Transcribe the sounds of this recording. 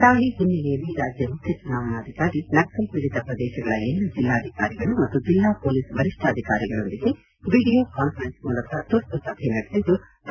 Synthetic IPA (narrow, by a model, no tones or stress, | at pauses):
t̪aːɭiɦunːilɛjɐlːiɾaːd͡ʒjɐmukʰjɐt͡ʃunaːʋɐnaːd̪ʱikaːɾinɐksɐlpiɽit̪ɐpɾɐd̪ɛːʃɐɡɐɭɐelːud͡ʒilːaːd̪ʱikaːɾiɡɐɭumɐt̪ːud͡ʒilːaːpoːlisbʱɐɾiʂʈʰaːd̪ʱikaːɾiɡɐɭo̞nd̪iɡe̞ | ʋiːɽijoːkaːnpɐɾensmuːlɐkɐt̪uɾt̪usɐbʱenɐɽisid̪ːu | t̪